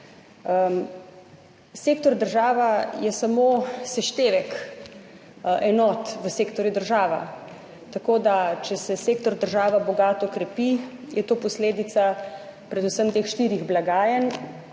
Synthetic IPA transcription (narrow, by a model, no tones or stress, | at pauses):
ə | sekt̪ɔɾd̪əɾʒaːʋajɛsamoːsɛʃt̪eːʋɛk | ʔɛnɔːt̪ʋəseːkt̪ɔɾjud̪əɾʒaːʋa̰ | t̪akoːd̪at͡ʃɛsɛseːkt̪ɔɾd̪əɾʒaːʋabɔɡaːt̪ɔkɾɛpijɛt̪oːpɔsleːd̪it̪sapɾɛd̪usəmt̪eːxʃt̪iɾiɣblaɡaːjən